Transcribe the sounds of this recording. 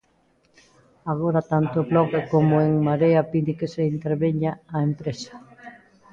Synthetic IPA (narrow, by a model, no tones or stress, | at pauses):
aɣ̞oɾat̪ant̪ʊβlɔɣekomoeŋmaɾeapinikeseint̪eɾβeɲaːempɾesḁ